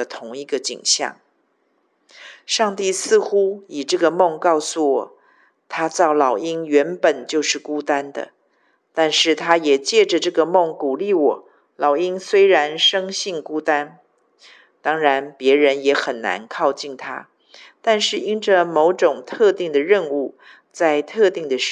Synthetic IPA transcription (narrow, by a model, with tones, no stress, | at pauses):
ət̪ʰʊ˧˥ŋi˥˩ɡə˧t͡ɕḭ˨˩ŋɕjɑ̰˥˩ŋ | ʂɑ˥˧ŋt̪i˥˩sɹ̩˥˩xu˥i˨˩ʈ͡ʂɤ˥˩ɡə˩mɤ˥˧ŋkɑ˥˩ʊsu˨˩wɔ̰˨˩˦ | t̪ʰa˥t͡sɑ˥˩ʊlɑ˨˩ʊi˥ŋɥɛ˧˥npə˨˩nt͡ɕjo˥˧ʊʂɻ̩˥˩ku˥t̪a˥nd̪ə̰˨ | t̪a˥˧nʂɻ̩˥˩t̪ʰa˥jɛ˨˩t͡ɕjɛ˥˩ʈ͡ʂə˨˩ʈ͡ʂɤ˥˩ɡə˩mɤ˥˩ŋku˨˩li˥˩wɔ˨˩˦ | lɑ˨˩ʊi˥ŋswe˥ɪɻa˧˥nʂɤ˥ŋɕi˥˩ŋku˥t̪a˥n | t̪ɑ˥ŋɻa˧˥npjɛ˧˥ɻə˧˥njɛ˧˥xə˨˩nna̰˧˥nkʰɑ˥˧ʊt͡ɕi˥˩nt̪ʰa̰˥ | t̪a˥˧nʂɻ̩˥˩i˥nʈ͡ʂə˨mo˧˥ʊʈ͡ʂʊ˨˩ŋt̪ʰɤ˥˧t̪i˥˩ŋd̪ə˩ɻə˥˧nu˥˧ | t͡sa˥˧ɪt̪ʰɤ˥˧t̪i˥˩ŋd̪ə˩